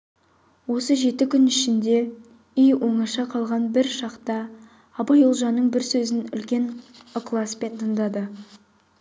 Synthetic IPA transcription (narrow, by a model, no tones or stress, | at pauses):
wo̞səʒe̞t̪ɪkʲʰʏnɪʃɪnd̪e̞ | ijwʔo̞ɴɑʃɑqʰɑlˠʁɑnbɪɾʃɑqt̪ɑː | bɑjolˠʒɑnːəɴbɪɾsɵzɪnʏ̰lkʲe̞noklˠɑspe̞nt̪ʰəɴd̪ɑd̪ə